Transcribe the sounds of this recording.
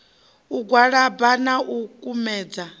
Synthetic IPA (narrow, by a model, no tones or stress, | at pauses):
uɡwaɺabanaʔukʼumɛːd͡za